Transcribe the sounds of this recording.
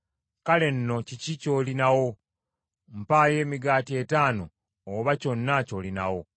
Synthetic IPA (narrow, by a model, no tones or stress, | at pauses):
kale̞nːo̞cicico̞ːlinawo | m̩paːje̞ːmiɡaːtie̞taːno̞ː | βaco̞nːaco̞ːlina̰wo̞